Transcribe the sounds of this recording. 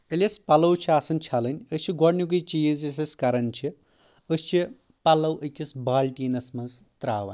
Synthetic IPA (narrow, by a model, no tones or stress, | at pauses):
elʲɐspɐlɐwt͡ʃʰiasɐnt͡ʃʰɐlɨnʲɨst͡ʃʰiɡɔɽnʲuk̬ɨjt͡ʃijzis̬ɐskɐɾɐnʲt͡ʃʰi | əst͡ʃʰi | pɐlɐwəkʲisbaːlʲʈʲiːnɐsmɐnzt̪ɾaːʋɐ̰nʲ